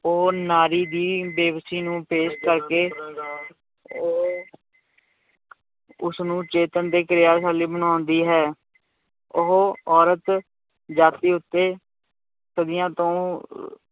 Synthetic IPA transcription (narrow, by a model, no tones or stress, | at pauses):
oːnaːɾiːd̪iːbeːʋsiːnũːpeːskəɾkeː | oː | ʊsnũːt͡ʃeːt̪ənd̪eːkəɾɪjaːsaːliːbənaːnd̪iːɦɛː | ʊɦoɔːɾət̪ | d͡ʒaːt̪iːʊt̪ːeː | səd̪ɪjãːt̪õː